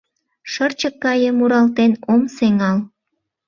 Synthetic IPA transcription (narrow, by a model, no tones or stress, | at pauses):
ʃərt͡ɕəkːɑjəmuɾɑlt̪enomseŋɑl